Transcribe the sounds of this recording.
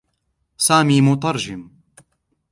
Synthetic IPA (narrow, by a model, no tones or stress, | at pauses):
saːmiːmʊt̪̬ˤɑɾˤd͡ʒɪm